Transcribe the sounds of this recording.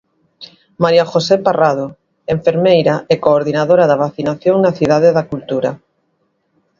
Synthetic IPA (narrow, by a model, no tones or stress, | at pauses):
maɾjaxoseparað̞o | eɱfeɾmejɾaɛkoːɾðinaðoɾaðaβaθinaθjoŋnaθiðaðeðakult̪uɾa